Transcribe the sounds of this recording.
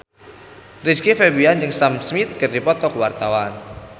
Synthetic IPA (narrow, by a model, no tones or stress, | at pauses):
riskifebiand͡ʒɨŋsamsmit̪̚kɨrdipɔt̪ɔkwart̪awan